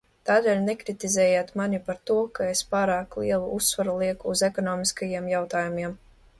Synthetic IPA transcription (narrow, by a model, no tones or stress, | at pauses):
t̪aːd̪elʲnekɾit̪izɛːjaːt̪manʲipaɾt̪uɔkaespaːɾaːklˠiɛlˠuusːvaɾulˠiɛkuːzekɔnɔːmiskajiɛmjawt̪aːjumiɛm